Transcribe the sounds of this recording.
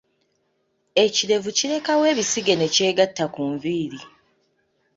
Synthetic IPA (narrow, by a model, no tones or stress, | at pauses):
e̞ciɾe̞vuciɾe̞kawe̞ːβisiɡe̞ne̞ce̞ːɡatːakuːɱviːɾi